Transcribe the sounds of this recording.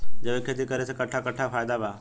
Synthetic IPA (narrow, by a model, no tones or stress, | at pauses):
d͡ʑeʋekʰːet̪ikəɾesəkəʈʰakəʈʰːafajd̪aba